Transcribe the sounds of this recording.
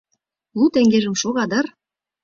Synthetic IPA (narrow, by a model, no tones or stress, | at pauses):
lˠut̪æŋɡeʒə̆mʃoɣɑd̪ɤ̆r